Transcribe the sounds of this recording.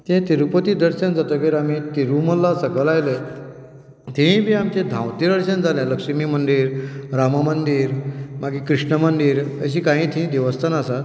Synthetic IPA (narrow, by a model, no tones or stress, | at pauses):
t̪ẽt̪iɾupət̪iːd̪əɾɕənd͡zat̪əkeɾamit̪iɾuməlːasəkəlajle | t̪eĩbʱiːamt͡ɕẽd̪ʱãwt̪iɾəɾɕənd͡zaljaləkɕəmiːmənd̪iːɾɾamamənd̪iːɾmaɡiːkɾiʂɳəmənd̪iːɾəɕ̬iːkãɦĩːt̪ʰĩd̪eʋəst̪ʰanasat̪